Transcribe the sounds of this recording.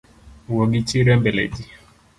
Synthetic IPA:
wɔɡit͡ʃiɾɛmbɛlɛ̰d͡ʒi

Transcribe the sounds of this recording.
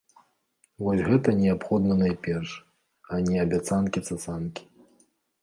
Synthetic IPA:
vɔsʲɣɛt̪ɐnʲɛapxɔd̪nɐnajpʲɛrʂ | ɐnʲɛɐbʲat̪sankʲit̪sɐsankʲi̥

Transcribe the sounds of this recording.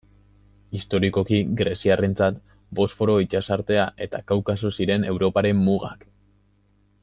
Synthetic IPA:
ist̪o̞ɾiko̞kiɡɾe̞siare̞nt͡sat̪ | bo̞sfo̞ɾo̞it͡ʃasaɾt̪e̞aʔe̞t̪akawkasosiɾe̞ne̞wɾo̞paɾe̞mːuɣa̰k

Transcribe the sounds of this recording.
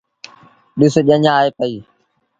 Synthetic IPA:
ɗɪsoʄəɲãːeːpəiː

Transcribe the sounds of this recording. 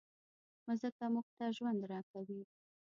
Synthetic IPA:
mʊzəkamuɡ̚t̪aʒwand̪ɾɑkawi

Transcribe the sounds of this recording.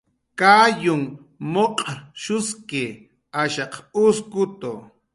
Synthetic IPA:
kaːjʊŋ | moqʼʃʊskɪ | aʃɑqʊskʊt̪o̰

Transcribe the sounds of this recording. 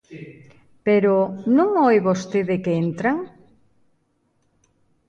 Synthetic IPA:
peɾonũŋojβost̪eðɪkeent̪ɾaŋ

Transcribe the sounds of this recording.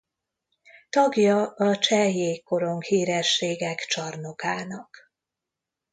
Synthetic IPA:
t̪ɒɡjɒɒt͡ʃɛjeːkːo̞ɾo̞ŋkhiːɾɛʃːeːɡɛkt͡ʃɒrno̞kaːnɒk

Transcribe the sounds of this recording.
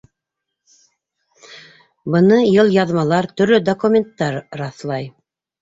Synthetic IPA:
bɤ̆nɤjɤlˠjɑðmɑlˠɑɾt̪ɵ̆ɾlɵd̪okumʲent̪ːɑɾɾɑθlˠɑj

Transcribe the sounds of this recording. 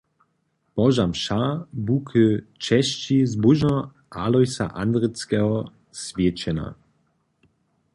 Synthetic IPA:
pɔʒamʃabukʰɘt͡ʃɛɕt͡ɕizbuʒnɔ | ʔalɔjsa̰ʔand̪ɾɘt͡skɛɦɔ | svʲjet͡ɕɛna̰

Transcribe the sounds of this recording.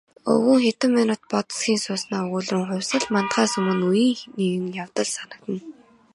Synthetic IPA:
ɵ̰ɣŭŋxet̪ə̆mːanʊːt̪̚pɔt̪ə̥̆sɡʲiːnsʊːsnaːɵɣuːɮrɘ̆ŋχʊ̟wʲsə̆ɮmant̪χaːsɵmɵ̆nujiːŋniɣɘ̆ŋjawt̪ə̆ɮsanə̆k̚t̪ə̆n

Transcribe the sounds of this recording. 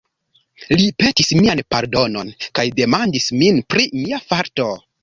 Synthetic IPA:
lipe̞tismianpaɾdo̞no̞nkajde̞mandisminpɾimiafaɾto̞

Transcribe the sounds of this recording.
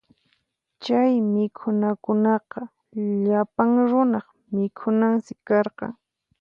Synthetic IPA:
t͡ʃajmɪkʰʊnakʊnɑqɑ | ʎapaŋɾʊnɑχ | mɪkʰʊnaŋsɪkːɑɾqɑ̰ŋ

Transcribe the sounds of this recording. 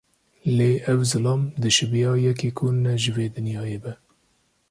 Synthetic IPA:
leːʔɛvzɨlɑːmd̪ɨʃɨbijɑːjɛkiːkʰonɛʒɨveːd̪ɨnjɑːjeːbɛ

